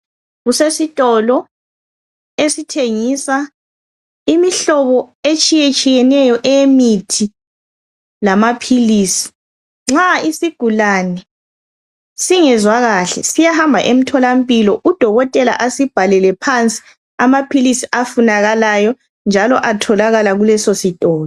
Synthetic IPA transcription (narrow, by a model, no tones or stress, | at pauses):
ɣusesitʼɔlɔ | esitʰeŋisa | imiɬɔβɔet͡ʃʼijet͡ʃʼijɛnɛjɔʔɛemitʰi | lamapʰiliːsi̥ | ŋ͡ǁaisiɡ̥ʱulanɛ | siŋɛzwaɣaɬɛ̰sijahambʱa̰ʔem̩tʰɔlam̩pʼilɔʔud̥ʱɔɣɔtʼɛla̰ʔasib̥ʱalɛlɛpʰant͡sʼi̥ | amapʰilisiʔafunaɣalajɔ | nd͡ʒʱalɔʔatʰɔlaɣalaɣulɛsositʼɔːlɔ